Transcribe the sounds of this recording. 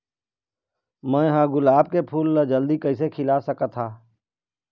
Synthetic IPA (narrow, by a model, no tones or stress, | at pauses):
mɛ̃ɦãːɡʊlaːb̚kepʰuːlːad͡ʒɐld̪ikəɪsekʰɪlasəkat̪ʰaː